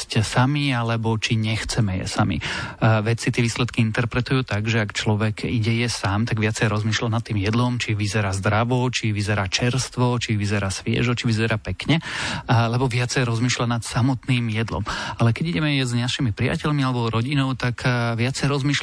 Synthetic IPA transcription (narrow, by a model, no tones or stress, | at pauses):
csamialɛbɔt͡ʃiɲɛxt͡sɛmɛjɛ̰samḭʋɛt͡sit̪ɪɛʋiːslɛt̪kiint̪ɛɾpɾɛt̪ujuːt̪aɡʒɛakt͡ʃlɔʋɛɡiɟɛjɛsaːmt̪aɡʋɪat͡sɛjɾɔzmiːʃlanat̪ːiːmjɛd̪lɔmt͡ʃiʋizɛɾaːzd̪ɾaʋɔt͡ʃiʋizɛɾaːt͡ʃɛɾst̪ʋɔt͡ʃiʋizɛɾaːsʋɪɛ̰ʒɔt͡ʃiʋizɛɾaːpɛkɲɛlɛbɔʋɪat͡sɛjɾɔzmiːʃlanat̪samɔt̪niːmjɛd̪lɔ̰malɛkɛɟiɟɛmɛjɛzɲaʃimipɾia̰cɛʎmialɛbɔɾɔɟinɔʊt̪akʋɪat͡sɛjɾɔzmiːʃl